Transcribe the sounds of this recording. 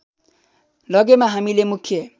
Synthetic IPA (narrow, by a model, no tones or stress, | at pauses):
lʌɡemaɦamilemukʰːjʌ